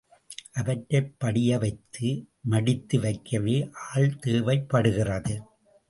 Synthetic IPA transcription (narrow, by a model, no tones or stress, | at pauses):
ʔɐʋɐʈrɐɪpːɐɽɪjɐʋɐɪt̪ːɯ | mɐɽɪt̪ːɯʋɐɪkːɐʋeːʔaːɭt̪eːʋɐɪpːɐɽɯɣɪrɐðɯ